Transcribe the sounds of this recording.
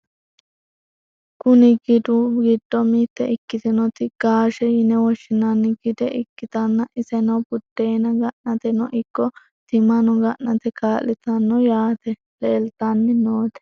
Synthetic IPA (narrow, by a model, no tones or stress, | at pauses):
kʊnɪɡɪd̪ʊɡɪd̪ːɔmit̪ːɛɪkːɪt̪ɪnɔt̪ɪɡ̥aːʃɛjɪnɛwɔʃːɪnɐnːɪɡɪd̪ɛʔɪkːɪt̪ɐnːɐʔɪsɛnɐwbʊd̪̥ːeːnɐɡɐʔnɐt̪ɛnɔʔɪkːɔ | t̪ɪmɐnɔɡɐʔnɐt̪ɛkaːlɪt̪ɐnːɔjaːt̪ɛ | leːlt̪ɐnːɪnoːt̪ɛ̥